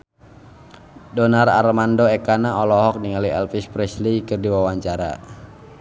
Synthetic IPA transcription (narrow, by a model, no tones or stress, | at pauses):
dɔnara̰rmandoɛkanaɔlɔɦɔk̚niŋaliɛ̰lfispɾɛslikɨrdiwawaɲt͡ʃaɾa̰